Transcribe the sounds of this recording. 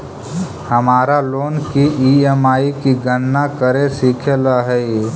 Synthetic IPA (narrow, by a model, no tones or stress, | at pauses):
həmaːɾaloːnkiiemaːikiɡənːakəɾesiːkʰelaɦɛi